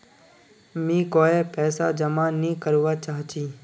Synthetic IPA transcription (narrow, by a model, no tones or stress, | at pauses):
mĩːkoːepɛːsaːd͡ʒəmaːnĩːkəɾuʋaːt͡ʃaːɦt͡ʃiː